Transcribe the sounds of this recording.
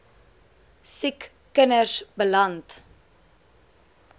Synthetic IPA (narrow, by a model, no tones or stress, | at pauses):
sikː | ənərsbəlɐnt